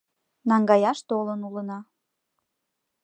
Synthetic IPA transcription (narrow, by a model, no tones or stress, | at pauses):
nɑŋɡɑjɑʃt̪olənulənɑ